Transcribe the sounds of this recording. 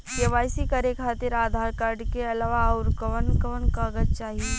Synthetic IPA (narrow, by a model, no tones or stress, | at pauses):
kɐʋaːjsikəɾekʰaːt̪ɪɾaːd̪ʱaːɾkaɾɖkeɐlaːʋaʊɾkəʋənkəʋənkaɡəd͡ʒt͡ʃaːɦie